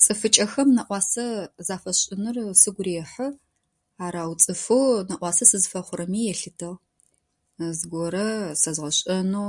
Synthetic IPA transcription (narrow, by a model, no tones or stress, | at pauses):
t͡sʼɨfɨt͡ʃʼɐxɐmnɐʔʷɑːsɐzaːfɐɕʼɪnɨrsɨɡʷɾeːħə | aːɾaːwt͡sʼɨfɨnɐʔʷɑːsɐsɨzfɐχʷʊɾɐmiːjɛɬɨtʰɐʁ | zɡʷɔɾɐsɐzʁɐɕʼɐnuː